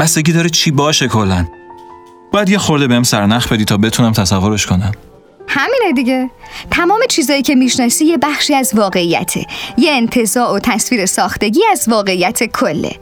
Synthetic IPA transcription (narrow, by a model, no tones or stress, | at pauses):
b̥æst̪e̞ɡʲiːd̪ɒːɾet͡ʃʰiːbɒːʃe̞kʰo̞lːæn | b̥ɒːjæd̪jexo̞ɾd̪ebeemsæɾnæχbe̞d̪iːt̪ʰɒːbe̞t̪ʰunæmt̪ʰæsævːo̞ɾeʃkʰo̞næm | hæmiːned̪iɟet̪ʰæmɒːme̞t͡ʃʰiːzɒːjiːcʰe̞miːʃnɒːsiːje̞bæxʃiːæzvɒːɣe̞iːjæ̰t̪ʰḛjeːnt̪ʰe̞zɒːʔot̪ʰæsviːɾe̞sɒːxt̪e̞ɟiːæzvɒːɣe̞iːjæt̪ʰe̞kʰolːḛ